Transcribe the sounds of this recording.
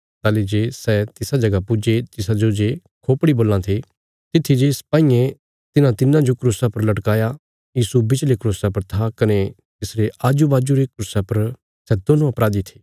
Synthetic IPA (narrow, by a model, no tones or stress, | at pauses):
t̪aːled͡ʒeːsɛt̪ɪsad͡ʒɐɡapʊd͡ʒet̪ɪsad͡ʒod͡ʒe | kʰoːpɽiboːlãt̪ʰe | t̪ɪt̪ʰːid͡ʒesɐ̥paːijẽ | t̪ɪnãt̪ɪnãd͡ʒokɾoːsapɐɾlɐʈkaːja | jiːsubɪt͡ʃlekɾoːsapɐɾt̪ʰakɐne | t̪ɪsɾeʔaːd͡ʒubaːd͡ʒuɾekɾʊsapɐɾ | sɛd̪onõɐpɾaːd̪it̪ʰe̥ː